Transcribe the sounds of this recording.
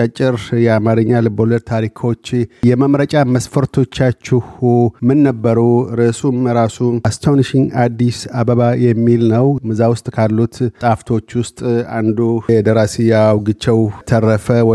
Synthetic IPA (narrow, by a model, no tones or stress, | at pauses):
t͡ʃʼət͡ʃʼːɪɾjɛamaɾɨɲːalɨboləɾt̪ʰaɾikʰo̞t͡ʃːjɛməmɾət͡ʃʼaməsfəɾt̪ʰo̞t͡ʃːat͡ʃːɪhumɨnːəbːəɾuɾəsumɾasuast̪ʰowniʃiŋɡad̪ːisabəβajɛmːilnəwmɨzawʊst̪ʼkʰalːut̪tʼaft̪ʰo̞t͡ʃːwʊst̪ʼand̪uɛd̪əɾasijawɡɨt͡ʃːɛwt̪ʰərəfə